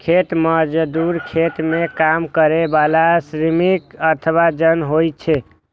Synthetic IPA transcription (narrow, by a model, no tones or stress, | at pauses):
kʰet̪məd͡ʒəd̪uɾkʰet̪mekamkəɾebalasɾimikət̪ʰəβad͡ʒənɦojt͡ʃʰɛ